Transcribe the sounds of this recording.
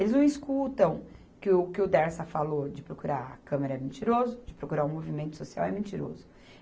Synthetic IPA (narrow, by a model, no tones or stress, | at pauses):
elɪznɐ̃w̃ɪskut̪ɐ̃w̃ | kɪʊkɪʊd̪ɛɾsɐfalod͡ʒɪpɾokuɾaɾɐ̰kɐ̃meɾɐɛmẽt͡ʃiɾozʊd͡ʒɪpɾokuɾaɾũmovimẽnt̪ʊ̥sosia̰wɛmẽnt͡ʃiɾo̰zʊ